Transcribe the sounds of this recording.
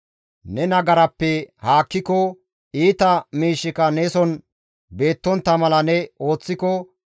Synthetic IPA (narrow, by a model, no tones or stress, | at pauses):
nɛnɐɡɐɾɐpːɛhaːkːɪkɔ | iːt̪ɐmiːʃːɪkɐnesɔn | be̞ːt̪ːɔnt̪ːɐmɐlɐnɛo̞ːt͡sːɪkɔ